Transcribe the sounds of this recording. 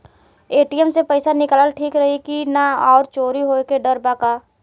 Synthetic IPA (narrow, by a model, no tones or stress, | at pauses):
eːʈiəmsepəɪsanɪkələlʈʰiːkɾɐɦikinaɔːɾt͡ʃoːɾiɦoːekeɖəɾbakaː